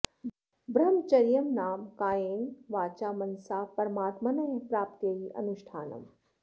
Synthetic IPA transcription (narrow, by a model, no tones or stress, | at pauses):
bɾɐmt͡ʃɐɾjɐmnaːmkaːjeːnʋaːt͡ʃaːmɐnsaːpɐɾɐmaːt̪mɐnɐjɐpɾaːpt̪jɐjiʔɐ̰nuʃʈʰaːnɐ̰m